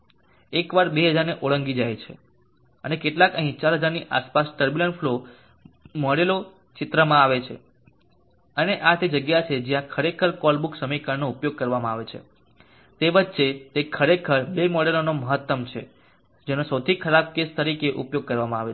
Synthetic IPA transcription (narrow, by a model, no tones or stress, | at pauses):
ekʋaɾbeɦəd͡ʒaɾneʔoɭəŋɡid͡ʒajt͡ʃʰḛ | ənekeʈlakəɦĩt͡ʃaɾɦəd͡ʒaɾniʔa̰spasʈəɾbjuləɳfʰlo | mɔɽelo | t͡ʃɪt̪ɾəmãaʋet͡ʃʰe | əneʔat̪ed͡ʒəɡjat͡ʃʰed͡ʒijãkʰəɾekʰəɾkɔlbuksəməjkaɾnoupjoɡ̚kəɾʋamãaʋet͡ʃʰḛ | t̪eʋət̪ːʃet̪ekʰəɾekʰəɾbemɔɽelonoməɦət̪ːəmt͡ʃʰḛ | d͡ʒenosəwt̪ʰikʰəɾab̚kest̪əɾikeʔṵpjoɡ̚kəɾʋamãaʋe